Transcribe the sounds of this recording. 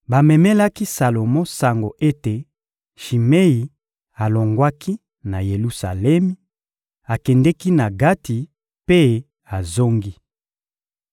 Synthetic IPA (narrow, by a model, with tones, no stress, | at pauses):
ba˨mɛ˨mɛ˦la˦ki˦sa˨lo˨mɔ˦sa˨ŋɡo˨ʔe˦te˨ | ʃi˨me˦i˨ | a˨lo˨ŋɡwa˦ki˦ | na˨je˨lu˦sa̰˨lɛ˦mi˦ | a˨kɛ˨ndɛ˦ki˦na˨ɡa˦ti˨ | pe˦ | a˨zo˦ŋɡi˦